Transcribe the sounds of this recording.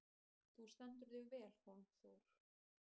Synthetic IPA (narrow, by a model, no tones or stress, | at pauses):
θust̪an̥t̪̬ʏɾðɪvɛːl̥honθowɾ̥